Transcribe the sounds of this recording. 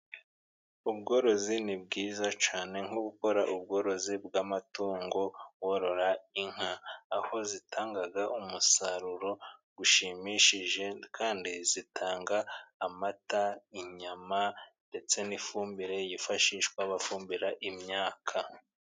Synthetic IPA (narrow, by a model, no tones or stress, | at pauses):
ubɡo̞ːɾo̞zinib̚ɡiːzat͡ʃaːne̞ŋ̥huɡuko̞ɾaʔub̚ɡo̞ːɾo̞zibɡamatuːŋɡo̞woɾo̞ɾaiŋ̥aːho̞zitʰaːŋɡaɡaʔumusaɾuɾo̞ɡuʃimiʃiʒe̞kʰaːndizitʰaːŋɡaːmataiɲamande̞t͡se̞nifuːmbiɾe̞jifaʃiːʃkwaβafuːmbiɾaʔimɲaːkʰa